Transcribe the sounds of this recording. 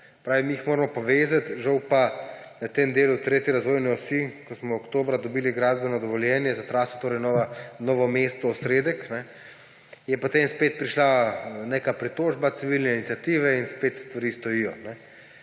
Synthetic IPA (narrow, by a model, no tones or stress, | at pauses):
pɾaːʋimiixmoːɾɐmɔpɔʋezat̪ʒawpanɐt̪emd̪eːlut̪ɾeːt̪jiɾazʋoːjniɔsikɔsmɔːkt̪oːbɾad̪ɔbiːliɡɾad̪bɛnɔd̪ɔʋɔljɛːnjɛzat̪ɾaːsɔt̪oːɾɛjnɔanɔʋɔmest̪ɔːsɾed̪ɛknɛ | jɛpot̪emspeːt̪̚pɾiʃlanekapɾit̪oːʒbat̪siʋilnɛinit̪sijat̪iːʋɛinspet̪st̪ʋaɾist̪ɔjijɔnɛ